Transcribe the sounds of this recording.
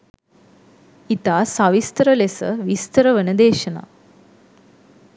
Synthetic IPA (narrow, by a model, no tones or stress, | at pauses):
it̪aːsaʋist̪əɾəlesə̰ʋist̪əɾəʋənəd̪eːʃɐna̰